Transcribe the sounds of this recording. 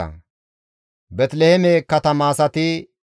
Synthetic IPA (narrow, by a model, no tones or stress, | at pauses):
ɐ̰ | bɛt̪lɛhɛmekɐt̪ɐmaːsɐt̪ɪ